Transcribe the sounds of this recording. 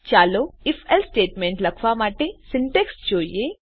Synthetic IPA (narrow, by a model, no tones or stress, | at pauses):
t͡ʃaːloifʰelsʈeːʈmẽɳʈlɐkʰʋamaːʈesɪɳʈeksd͡ʒoːije